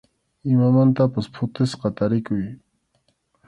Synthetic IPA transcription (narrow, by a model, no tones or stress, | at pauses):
ɪmamant̪apaspʰʊt̪ɪsqɑt̪aɾɪkʊj